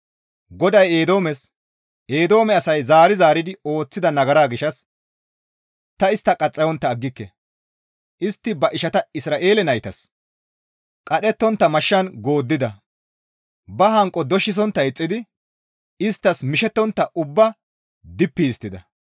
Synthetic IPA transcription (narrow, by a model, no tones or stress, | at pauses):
ɡɔd̪ɐjeːd̪o̞ːmɛs | ʔe̞ːd̪o̞ːmɛɐsɐjzaːɾɪzaːɾɪd̪ɪo̞ːt͡sːɪd̪ɐnɐɡɐɾaːɡɪʃɐs | t̪ɐɪst̪ːɐkʼɐt͡sʼːɐjɔnt̪ːɐːɡːɪkːɛ | ʔɪst̪ːɪbɐʔɪʃɐt̪ɐɪsɾaːʔe̞ːlɛnɐjt̪ɐ̰s | kʼɐɗɛt̪ːɔnt̪ːɐmɐʃːɐnɡo̞ːd̪ːɪd̪ɐ | bɐɦɐŋkʼɔd̪ɔʃːɪs̬ɔnt̪ːɐɪt͡sʼːɪd̪ɪ | ɪst̪ːɐsmɪʃɛt̪ːɔnt̪ːɐʔʊbːɐ | d̪ɪpːiːst̪ːɪd̪ɐ